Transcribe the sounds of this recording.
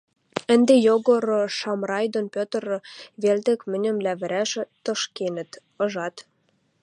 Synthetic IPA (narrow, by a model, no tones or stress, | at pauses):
ə̆nd̪ejoɣŏɾ̆ʃɑmrɑjd̪onpʲøt̪ər̆βelt̪ĕkmə̆nʲə̆mlæβə̆ɾæʃ̆t̪ə̆ʃkenə̆t̪ | ɤ̆ʒɑt̪